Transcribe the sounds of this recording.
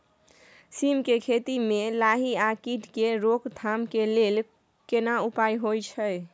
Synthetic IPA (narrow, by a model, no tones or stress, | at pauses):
simkekʰet̪imelaɦiakiʈkeɾokt̪ʰamkelel | kenaupajɦojt͡ʃʰəj